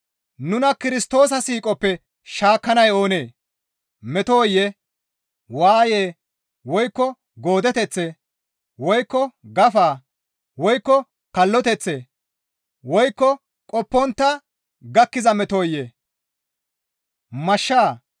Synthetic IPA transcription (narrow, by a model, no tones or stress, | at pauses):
nʊnɐkɪɾɪst̪o̞ːs̬ɐsiːkʼɔpːɛ | ʃaːkːɐnɐjo̞ːne̞ː | mɛt̪oːjːɛ | waːjeː | wɔjkːɔ | ɡoːd̪ɛt̪ɛt͡sːe | wɔjkːɔɡɐfaː | wɔjkːɔ | kɐlːɔt̪ɛt͡sːe | wɔjkːɔ | kʼɔpːɔnt̪ːɐ | ɡɐkːɪzɐmɛt̪oːjːɛ | mɐʃːaː